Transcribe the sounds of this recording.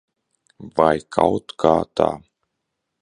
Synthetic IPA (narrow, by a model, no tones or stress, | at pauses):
vajkʰa̰wt̪kʰaːt̪a̰ː